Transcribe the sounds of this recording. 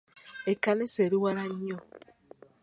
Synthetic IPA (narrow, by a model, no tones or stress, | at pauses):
ekaneseɾiwaɾaɲɔ